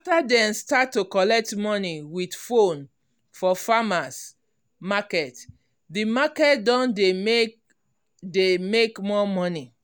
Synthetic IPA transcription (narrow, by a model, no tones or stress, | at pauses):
aftadɛ̃nstatːukɔlɛk̚tmɔniwidfõn | fɔfamas | makɛt | dimakɛtdɔ̃ndem | demekmɔmɔni